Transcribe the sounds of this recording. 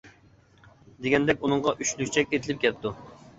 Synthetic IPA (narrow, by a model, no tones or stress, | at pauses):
d̪eɡʲɛnd̪ɛkʲunɨŋʁɑʔyʃlykʲt͡ʃʰɛkʲet̪ʰɪlɪp̚kʲɛt̪u